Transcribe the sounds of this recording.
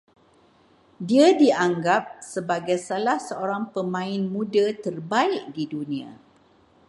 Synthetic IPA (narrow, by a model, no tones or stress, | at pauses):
diadiaŋɡap̚səbaɡajsalahsəoɾaŋpəmãɪnmũdat̪ərbaɪʔ̚didunĩã̰